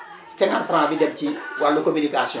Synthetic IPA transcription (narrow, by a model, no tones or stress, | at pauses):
tɛŋanfɾãːbidɛm̚ciwalːukominikasi